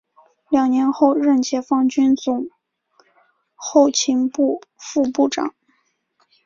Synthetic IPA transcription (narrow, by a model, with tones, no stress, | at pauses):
ljɑ˨˩ŋnjɛ˧˥nxo˥˧ʊɻə˥˩nt͡ɕʰjɛ˧˥fɑ˥˩ŋt͡ɕy˥nt͡sʊ˨˩ŋ | xo˥˩ʊt͡ɕʰi˧˥ŋpu˥˧fu˥˧pu˥˩ʈ͡ʂɑ̰˨˩˦ŋ